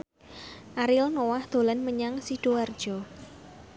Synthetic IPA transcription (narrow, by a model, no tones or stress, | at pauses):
ʔaɾɪlnowahd̪̥o̤lanməɲaŋsiɖ̥oward̥ʒ̥ɔ̤